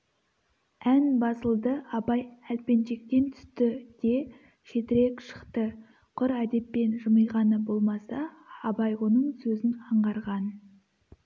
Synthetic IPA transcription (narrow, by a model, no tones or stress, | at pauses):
ænbɑsəlˠd̪əɑbɑjælpe̞nʃe̞k̚t̪e̞nt̪ʰʏ̥st̪ɪd̪̥e̞ | ʃe̞t̪ɪɾe̞kʃə̥qt̪ə | qʰʊɾæd̪e̞pːe̞nʒəməjʁɑnəbo̞lˠmɑsɑ | ɑbɑjwo̞nəɴsɵzɪnqʰɑɴʁɑɾʁɑn